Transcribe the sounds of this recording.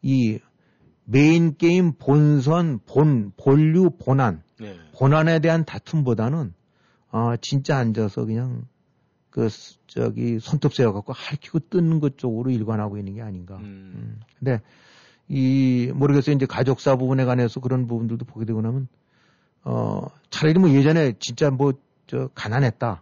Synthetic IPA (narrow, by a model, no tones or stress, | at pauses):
i | me̞ink͈eimpons̬ʰʌnponpoʎːuponan | ponane̞de̞ɦantatʰunbodanɯn | ʌt͡ɕint͡ɕ͈aːnd͡ʑʌsʰʌ̰kɯɲaŋ | kɯ | t͡ɕʌ̰ɡisʰʌntʰɯp̚s͈ejʌkak͈ohaɾkʰiɡot͈ɯnɯnɡʌt̚t͡ɕ͈oɡɯɾoiɭɡwanɦaɡoinːɯnɡe̞aɲiŋɡa | kɯnde̞ | imʌɾɯɡes͈ʌind͡ʑe̞kad͡ʑok̚s͈abubune̞ɡane̞sʰʌkɯɾʌnbubundɯɭdopoɡe̞dwe̞ɡonamjʌn | ʌ̰ | t͡ɕaɾiɾimwʌje̞d͡ʑʌne̞t͡ɕint͡ɕ͈amwʌ | t͡ɕʌkananɦet̚t͈a